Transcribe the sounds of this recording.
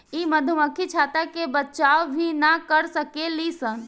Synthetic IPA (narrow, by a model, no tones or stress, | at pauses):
iməd̪ʱuməkʰit͡ʃʰaːt̪akebət͡ʃaːʋbʱinakəɾsəkelisən